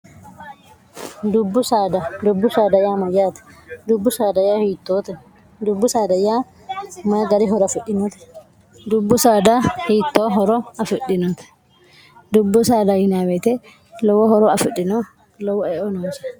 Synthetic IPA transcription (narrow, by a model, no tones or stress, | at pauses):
d̪ʊbːʊsaːd̪ad̪ʊbːʊsaːd̪ɐjaːmɐjaːt̪ɛ̥d̪ʊbːʊsaːd̪ɐjaːhiːt̪ːoːt̪ɛ | d̪ʊbːʊsaːd̪ɐjːaː | mɐɡɐɾɪɦɔɾɔfɪᶑːɪnɔt̪ɛ̥ | d̪ʊbːʊsaːd̪ahiːt̪ːoːɦɔɾɔɐfɪᶑɪnɔt̪ɛ̥ | d̪ʊbːʊsaːd̪ahɪnaːwɛt̪ɛ | lɔwɔhɔɾɔɐfɪɗːɪnɔ | lɔwɔɛɔnoːsɐ̥